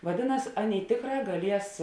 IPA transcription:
ʋɐˈdʲeːˌnɐs ˈɑːˌnʲeːɪ ˈtʲeːkˌrɑː ɡɐˈlʲiɛs

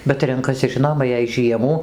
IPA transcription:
bʲɛt ˈrʲɛŋkɐsʲɪ ˈʒʲɪnoːmɐ jɛɪ ˈʒʲiɛmuː

